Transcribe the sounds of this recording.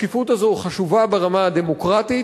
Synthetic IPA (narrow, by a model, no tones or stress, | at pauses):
kifut̪azoχaʃuvabeʁamad̪emo̞kʁat̪i